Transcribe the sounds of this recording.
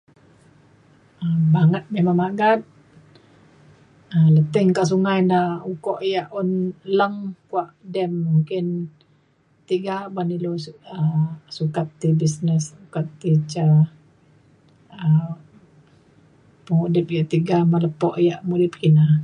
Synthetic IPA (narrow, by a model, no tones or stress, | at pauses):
əbaŋət̪̚memaŋmaɡat̪̚ | ələt̪əŋkaʔs̬uŋajnaukɔʔjaʔɔnləŋkuaʔdɛmːuŋkɪn | t̪iɡabaniluəsukat̪ːibisnəssukat̪ːit͡ʃa | ə | pəŋuʔdɛp̚jaʔt̪iɡamələpɔʔjaʔmudɪp̚kina